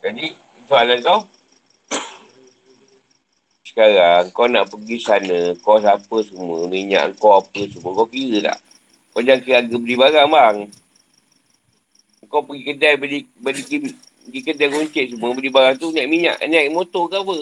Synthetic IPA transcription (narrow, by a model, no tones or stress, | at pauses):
d͡ʒadi | sualaŋkaw | sə̥kaɾaŋkawna̰ʔpəɡisanəkɔs̬apəsəmuəmiɲa̰ʔŋkawapəsumuəkowkiɾət̪a̰ʔ | kod͡ʒakəɾaɡabədibaɾaŋbaŋ | ŋkawpəɡikədajbədibədiɡi | əɡikədajkuɲt͡ʃeʔsəmuəbədibaɾaŋt̪unaʔmiɲa̰ʔɲaʔimot̪okapə